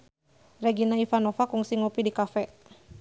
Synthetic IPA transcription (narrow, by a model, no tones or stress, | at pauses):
rɛɡinaifanɔfakuŋsiŋɔpidikafɛ